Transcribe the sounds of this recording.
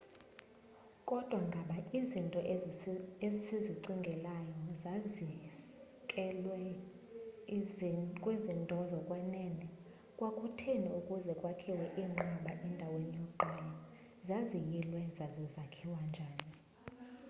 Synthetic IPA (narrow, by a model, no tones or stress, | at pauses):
kʼɔd̥ʱwaŋɡʱaɓaʔizintʼɔʔ | ezsiziǀiŋɡʱɛlajɔzazi | kʼɛlwɛ | kʼwezindʼʱɔzɔkʼwɛnɛnɛ | kʼwakʼutʰeniukʼuzɛkʼwakʰiwɛʔiːŋ͡ǃaɓaʔɛndʱawenijɔǃʱɛla | zazijilwɛzazizakʰiwand͡ʒʱaːni